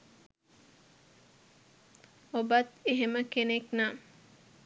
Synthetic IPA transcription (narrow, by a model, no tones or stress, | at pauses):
obɐt̪eɦeməkenekna